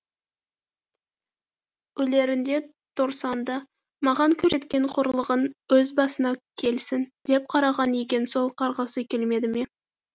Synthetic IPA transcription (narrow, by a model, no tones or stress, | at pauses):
ɵle̞ɾɪnd̪e̞ | t̪ʰoɾsɑnd̪ə | mɑʁɑŋkʲʰɵɾe̞t̪kʲe̞ɴqʰʊɾlˠəʁənwɵzbɑsənɑkʲʰe̞lsɪnd̪e̞p̚qʰɑɾɑʁɑnekʲe̞nso̞lˠqʰɑɾʁɑsəkʲʰe̞lme̞d̪ɪme̞